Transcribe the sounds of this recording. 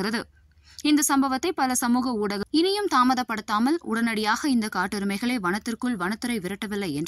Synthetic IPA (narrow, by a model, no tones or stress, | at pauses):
ɾɐðɯ | ɪnd̪ɐsɐmbɐʋɐt̪ːɐɪpɐlɐsɐmuːɣɐuːɽɐɣɯɪnɪjɯmt̪aːmɐðɐpːɐɽɯt̪ːaːmɐlʊ̰ɽɐnɐɽɪjaːɣɐɪnd̪ɐkaːʈːɯɾɯmɐɪɣɐɭeːʋɐɳɐt̪ːɪrkɯɭʋɐnɐt̪ːɯɾɐɪʋɪɾɐʈːɐʋɪlːɐɪɛndr